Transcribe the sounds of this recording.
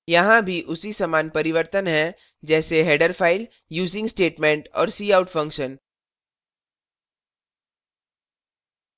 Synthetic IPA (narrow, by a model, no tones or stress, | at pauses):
jɐɦãbʱiʔʊsisɐmaːnpɐɾɪʋəɾt̪ənɦɛ̃ | d͡ʒɛːseɦeːɖəɾfʰaːɪl | juːzɪ̃ŋɡsʈeːʈmẽːɳʈɔ̰ːɾsiːaːʊʈfɐ̃ŋkʃən